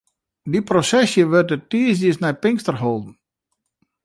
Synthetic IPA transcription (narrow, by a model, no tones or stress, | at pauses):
diprosɛsjəʋøtətiəsəsnɛjpɪŋstərɦoːlˠdn̩